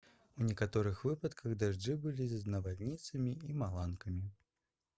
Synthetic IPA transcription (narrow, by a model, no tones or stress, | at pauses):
unʲɛkat̪ɔɾɨxvɨpɐt̪kɐɣd̪aʐd͡ʐɨbɨlʲiznɐvalʲnʲit̪sɐmʲiimalˠankɐmʲi